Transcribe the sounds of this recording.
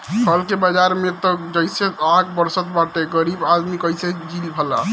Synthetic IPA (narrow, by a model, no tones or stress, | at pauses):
ɦəlkebəd͡ʒaɾmet̪ɔd͡ʒəjseaɡbəɾsət̪baʈeɡəɾibad̪mikəjsed͡ʒilbʱəla̰